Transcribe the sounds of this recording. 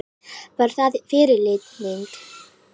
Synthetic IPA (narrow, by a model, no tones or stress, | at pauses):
vaɾ̥θaðfɪɾɪlɪt̪nɪŋk